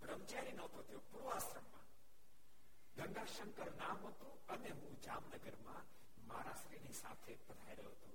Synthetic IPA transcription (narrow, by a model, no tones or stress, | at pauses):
bɾəmt͡ʃaɾinət̪ot̪ʰjõpɾoasɾəmːã̰ | ɡəŋɡaʃəŋkəɾnãmɦət̪ũ | əneɦũd͡ʒamnəɡəɾmã | ma̰ɾaʃɾinisa̰t̪ʰepəd̪ʱaiɾəjoɦət̪õ